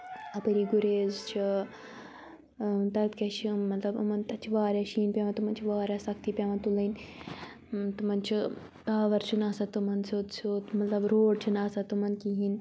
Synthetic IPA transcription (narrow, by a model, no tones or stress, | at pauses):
ɐpɐɾiːɡuɾeːzt͡ʃʰi | t̪ɐt̪kʲɐʃimɐt̪lɐbɐmɐnt̪ɐt͡ʃʰiʋaːɾʲaːʃiːnpʲaːʋɐnt̪umɐnt͡ʃʰiʋaːɾʲjaːsɐk̚t̪iːpʲjaːʋɐnt̪ulɐn | t̪umɐnt͡ʃʰi | t̪aːʋɐɾt͡ʃʰunaːsɐt̪umɐnsoːt̪sʰot̪mɐt̪lɐbɾoːɽt͡ʃʰunaːsɐt̪umɐnkiɦin